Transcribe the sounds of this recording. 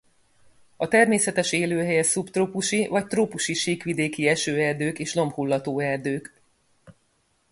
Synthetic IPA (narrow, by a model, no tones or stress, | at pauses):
ɒt̪ɛrmeːsɛt̪ɛʃeːløːɦɛjɛsupt̪ropuʃivɒc̚t̪roːpuʃiʃiːkʋid̪eːkiɛʃøːɛrd̪øːkeːʃlo̞mphulːɒt̪oːɛrd̪øːk